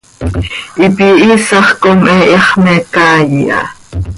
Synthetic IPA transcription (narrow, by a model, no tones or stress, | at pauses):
ʔipiʔiːsɑχkomʔɛʔiχmɛkaːjiʔɑ̰